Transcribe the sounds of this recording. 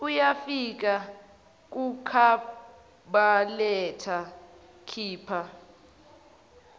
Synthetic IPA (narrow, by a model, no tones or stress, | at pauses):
ujafik̬a | k̬ʼukʰa | ɓalɛtʰa | kʰiːpʰa